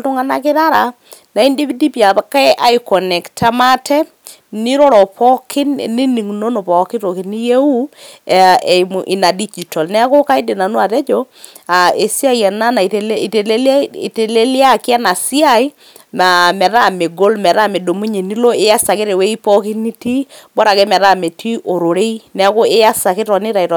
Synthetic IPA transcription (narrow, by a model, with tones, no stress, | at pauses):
to˦ŋa˨na˦kɪ˦ɾa˦ɾa˨ | na˨i˦ndi˦vi˦di˦pja˨pa˦ka˦ʔa˦i˨kɔ˨nɛ˨ktʰa˦ma˦tɛ˦ | ni˦ɾɔ˦ɾɔ˨pɔ˦kʰɪ˦nni˦ni˨ŋ˨no˦no˨pɔ˨kɪ˦to˨ki˨ni˦je˦u˦˨ | e˨m˨ʔɪ˨na˨di˦d͡ʒi˨tɔ˨lnɛ˦a˦ko˦ka˦i˦de˨na˨no˦a˨tɛ˦d͡ʒo˦ | a˨e˨sja˦i˨ɛ˨na˦na˨te˨lte˨le˦l̰te˨le˦lja˦˨kja˦na˨si˦a˨i˦ | ma˨mɛ˨ɾa˦˨me˨ɡo˦lmɛ˨ɾa˦˨me˨do˨mu˦ɲe˨ni˦lo˦e˦ja˦sa˨ke˦ɾe˨we˦i˦pɔ˦ki˦ni˦ti˦bɔ˦ɾa˨ke˦mɛ˨ɾa˦˨me˨tʰi˦ʔo˨ɾo˨ɾe˦i˦nɛ˦ko˦e˦a˦sa˨ke˦tɔ˨nɪ˦ɾa˨i˨tɔ˨